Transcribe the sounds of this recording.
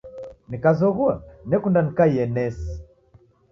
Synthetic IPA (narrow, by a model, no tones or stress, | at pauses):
nikazɔɣuanɛkundanikaiɛnɛsi